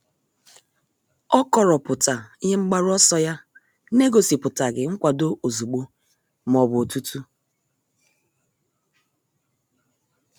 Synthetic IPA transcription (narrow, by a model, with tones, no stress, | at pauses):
ɔ˦kɔ˨ɾɔ˨pʊ˨ta˨i˦ɦe˦ŋ͡m̩˦ɡ͡ba˦ɾʊ˦ɔ˦sɔ˦ja˦ | ne˦ɡo˨si˨pʊ˨ta˨ɡɪ˨ŋ̩˦kʷa˨do˦ʔo˨zu˨ɡ͡bo˦ | m˨ɔ˨bʊ˨o˨tu˦tu˦